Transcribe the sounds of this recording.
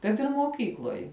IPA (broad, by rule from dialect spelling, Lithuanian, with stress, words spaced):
kɐt ɪr moːˈkʲiːklˠoːj